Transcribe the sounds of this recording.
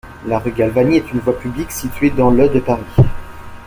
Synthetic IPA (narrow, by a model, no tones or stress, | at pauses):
laʁyɡʲalvaniɛt̪ynvwapybliksit̪ɥed̪ɑ̃lœd̪əpaʁi